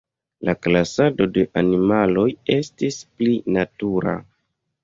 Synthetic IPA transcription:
laklasado̞de̞ʔanimalo̞je̞stisplinatuɾa̰

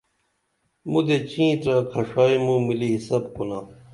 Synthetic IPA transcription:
mũd̪et͡ɕĩːt̪ɾãːkʰɐʂaːimũmiliɦisɐb̚konãː

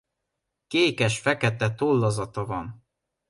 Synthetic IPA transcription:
keːkɛʃfɛkɛt̪ɛt̪olːɒzɒt̪ɒvɒn

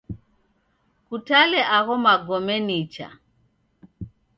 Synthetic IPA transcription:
kutalɛʔaɣɔmaɡɔmɛnit͡ʃa̰

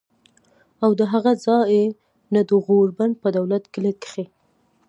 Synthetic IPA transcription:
awd̪əɦaɣazɑe | nad̪əɣoɾban̚pəd̪awlat̪kɪləkə̥xe

